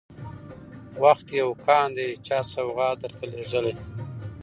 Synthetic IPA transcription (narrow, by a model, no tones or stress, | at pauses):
waxt̪jawkɑːnd̪et͡ʃɑsawɣɑd̪əɾt̪aleʒəle